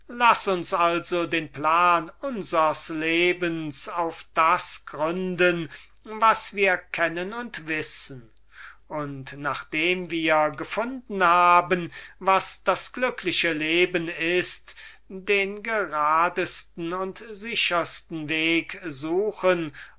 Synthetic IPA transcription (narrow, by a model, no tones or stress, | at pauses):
lasʊnsʔalzodeːnplaːnʊnzəɐsleːbənsaʊfd̥asɡ̥ʁʏndən | vasv̥iːɐkʰɛnənʊntv̥ɪsən̩ | ʔʊntnaːχd̥eːmviːɐɡəfʊndn̩haːbənvasd̥asɡ̥lʏklɪʃəleːbənɪst | deːnɡəʁaːdəstn̩ʊntzɪʃɐstn̩veːkzuːxən